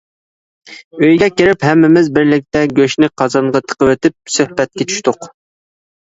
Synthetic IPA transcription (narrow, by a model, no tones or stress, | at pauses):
øjɡʲɛkʲiɾɪphɛmːɪmɪzbɪɾlɪk̚ʲt̪ɛɡʲøʃnɪqʰɑzɑɴʁɑt̪ʰə̥qəwet̪ɪp̚søhbɛt̪̚kʲɛt͡ʃʰy̥ʃt̪ʊq